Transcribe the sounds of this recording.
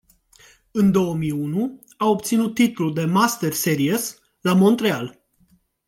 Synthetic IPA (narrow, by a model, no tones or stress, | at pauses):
ɨnd̪o̞wəmiunu | aopt̪sinut̪ːit̪luld̪e̞mast̪erseɾies | lamo̞nt̪ɾeal